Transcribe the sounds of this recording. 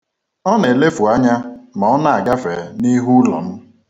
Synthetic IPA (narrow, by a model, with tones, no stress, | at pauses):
ɔ˦ne˨le˦fu˨a˦ɲa˦ma˨ɔ˦na˦˨a˨ɡa˦fe˨ni˦ɦu˦lɔ̰˨n̩˦